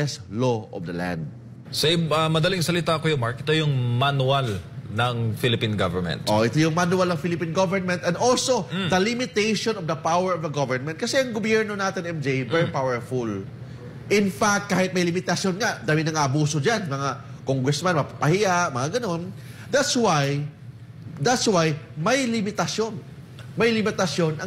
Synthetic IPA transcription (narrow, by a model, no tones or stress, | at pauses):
ɛsloʔɔ̰vd̪ɐlã̰nd̪̚ | sɛɪɐmɐd̪ɐliŋsɐlɪt̪akojʊmaɹkʔɛt̪ojʊŋmanualnɐŋfilɪpinɡavɛɹmɛ̰̃nt̪ʔoʔɛt̪ojʊŋmanuwɐlnɐŋfilɪpinɡovɛɹnmɛ̃nt̪ɛnd̪olso̞d̪ɐlɪmɪt̪ejʃonɔvd̪ɐpawɛɹɔvd̪ɐɡɐvɛɹnmɛ̃nt̪kɐsɛɐŋɡobjɛɹnonaːt̪ɪnɛmd͡ʒejbɛɹpawɛɹfʊl | ʔɪnfak̚t̪̚kaːhɪt̪̚mɐjlɪmɪt̪ɐsjo̞nŋad̪aːwinɐŋaɐbuːsod͡ʒanmɐŋa | koŋɡɹɛsmanmɐpapɐhɪjaʔmɐŋaɡɐno̞nd̪at̪swaj | d̪at̪swajmɐjlɪmɪt̪ɐsjo̞n | mɐjlɪmɪt̪ɐsjo̞nʔɐ